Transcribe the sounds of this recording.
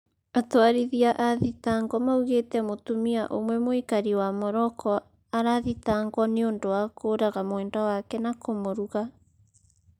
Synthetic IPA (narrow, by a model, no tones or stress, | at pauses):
atwaɾiðiaʔaðitaːŋɡɔmauɣetɛmotumiaʔomwɛmoikaɾiwamɔɾɔkʰɔ | aɾaðitaŋɡɔneondowakʰoːɾaɣamoɛːndawakɛnakomoɾuɣa